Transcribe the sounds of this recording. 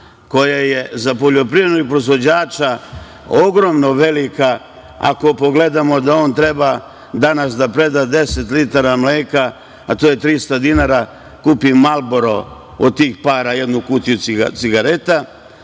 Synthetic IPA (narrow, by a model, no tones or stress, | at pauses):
ko̞jaje̞zapo̞ʎo̞pɾivɾed̪noɡ̚pɾozʋo̞d͡ʑaːt͡ʃa | o̞ɡɾo̞mno̞ʋe̞lika | a̰ko̞po̞ɡle̞d̪amo̞d̪ao̞ːnt̪ɾe̞ba | d̪anasd̪apɾe̞d̪ad̪e̞se̞t̪lit̪aɾamleːka | at̪ojet̪ɾist̪ad̪inaːɾa | kuːpimalˠboɾo | o̰d̪̚t̪iːxpaːɾaje̞d̪nukut̪ijusisiɡaɾe̞t̪a